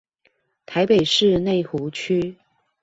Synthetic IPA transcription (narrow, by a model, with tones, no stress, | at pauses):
t̪ʰa˧˥ɪpe˨˩ɪʂɻ̩˥˧ne˥˩ɪxu˨˧˥t͡ɕʰy˥